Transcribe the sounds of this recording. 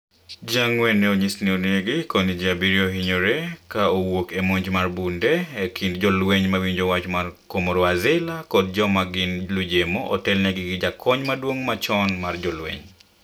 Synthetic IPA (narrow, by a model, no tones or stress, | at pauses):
d͡ʒaŋwɛnːɛoɲisnioneɡikɔnid͡ʒabiɾioɦiɲoɾekaowokemoɲd͡ʒmarbundɛekʰindd͡ʒɔlweɲmawiɲd͡ʒɔwat͡ʃmarkomɔɾɔazɪlakɔd̚d͡ʒɔmaɡɪnlud͡ʒemoʔɔ̰tɛlneɡɪɡɪd͡ʒakʰɔɲmadwoŋmat͡ʃɔnmard͡ʒɔlwḛɲ